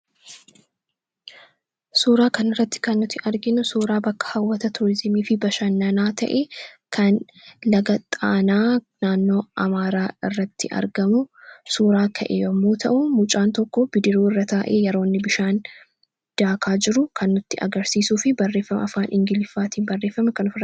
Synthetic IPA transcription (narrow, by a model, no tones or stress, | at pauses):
suːɾaːkɐnɪrːɐt̪ːɪ̥kɐnːʊt̪ːɪʔɐɾɡɪnʊsuːɾaːbɐkːɐ̥hɐwːɐt̪ɐt̪ʰʊɾɪzɪmiːfɪbɐʃɐnːɐnaːt̪ʰɐ̰ʔekʰɐn | lɐɡɐt̪ʼaːnaː | naːnːo̞ːɐmaːɾaːɪrːɐt̪ːɪʔɐ̰ɾɡɐmʊsuːɾaːkʰɐʔḛːjɐmːuːt̪ʰɐ̰ʔʊmʊt͡ʃʼaːnt̪ɔkːɔb̥ɪd̪ɪɾuːɪrːɐt̪aːʔḛːjɛɾo̞ːnːɪbɪʃaːn | d̪̥aːkʰaːd͡ʒɪɾʊkʰɐnːʊt̪ːɪʔɐ̰ɡɐɾsiːsuːfɪbɐrːe̞ːfːɐmɐɐfaːnʔɪŋɡɪlɪfːaːt̪iːnbɐrːe̞ːfːɐmɛkɐnʊfɪr